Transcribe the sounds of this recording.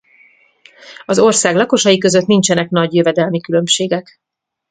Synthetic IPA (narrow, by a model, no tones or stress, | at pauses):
ɒzo̞rsaːɡlɒko̞ʃɒjikø̞zø̞t̪nint͡ʃɛnɛkn̪ɒɟjøvɛd̪ɛlmikylømʃeːɡɛk